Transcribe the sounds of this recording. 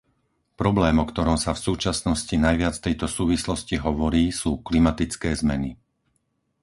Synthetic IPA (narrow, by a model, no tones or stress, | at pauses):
pɾɔblɛːmɔkt̪ɔɾɔmsafsuːt͡ʃasnɔscinajʋɪat͡sft̪ɛjt̪ɔsuːʋislɔsciɦɔʋɔɾiːsuːklimat̪it͡skɛːzmɛni